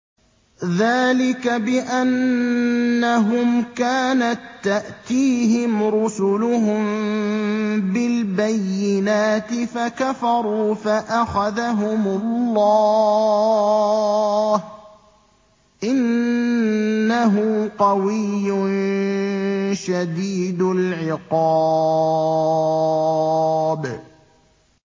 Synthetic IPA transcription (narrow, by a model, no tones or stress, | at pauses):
ðaːlɪkabɪʔanː | aɦʊmkaːnat̪ːaʔt̪iːɦɪmɾʊsʊlʊɦʊm | bɪlbajːɪnaːt̪ɪfakafɑɾˤuːfaʔaxaðaɦʊmʊlːɑː | h | ʔɪn | aɦʊqɑwɪjːʊn | ʃad̪iːd̪ʊlʕɪqɑː | b